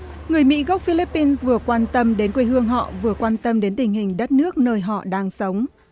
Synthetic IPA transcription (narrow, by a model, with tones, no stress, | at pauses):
ŋɨ˨˩əjmḭ˧˥ɣə˦˥k͡p̚fi˧li˦˥pːi˧nsvɨ˨˩əkwaː˧nt̪ə˧mɗe˨˦nkwi˧ɦɨ˧əŋɦɔ̰˧˨vɨ˨˩əkwaː˧nt̪ə˧mɗe˨˦nt̪ï˨˩ŋ̟hï˨˩ŋ̟ɗə˦˥t̚nɨ˦˥ək̚nəː˧jɦɔ̰˧˨ɗaː˧ŋsə˨˦wŋ͡m